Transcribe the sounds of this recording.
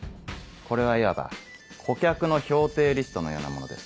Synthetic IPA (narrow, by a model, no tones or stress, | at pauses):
ko̞ɾe̞β̞aiβaba̰ | kʰo̞kʲakɯ̟no̞ço̞ːt̪e̞ːɾʲisɨ̥t̪o̞no̞jo̞̰ːna̰mo̞o̞d̪e̞sɨ̥